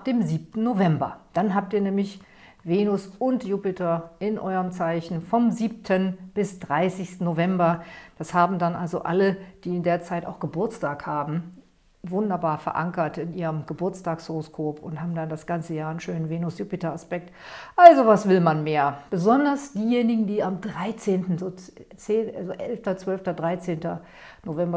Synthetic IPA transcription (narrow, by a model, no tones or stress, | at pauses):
ap̚d̥eːmziːp̚tn̩novɛmbɐ̰d̥anɦaːp̚tiːɐnɛːmlɪç | veːnʊsʊntjupɪtɐʔɪnʔɔʏʁəmt͡saɪçn̩fɔmziːp̚tʰənb̥ɪsd̥ʁaɪsɪçstn̩novɛmbɐd̥ashaːbm̩danʔalzo̰ʔa̰ləd̥iːɪndeːɐt͡saɪta̰ʊxɡ̥əbʊɐt͡staːkhaːbm̩ | vʊndɐbaːɐfɛɐʔa̰ŋkɐtɪnʔiːʁəmɡ̥əbʊɐt͡staːkshoʁoskʰoːpʰʊnthaːbm̩dandasɡ̥ant͡səjaːɐnʃøːnənveːnʊsjupɪtaaspɛk̚tʔalzovasv̥ɪlmanmeːɐb̥əzɔndɐsd̥iːjeːnɪɡŋ̩diːamdʁaɪt͡seːntn̩zoːt͡seːʔazoʔɛlftɐt͡sv̥œlftɐdʁaɪt͡seːntɐ | novɛmbɐ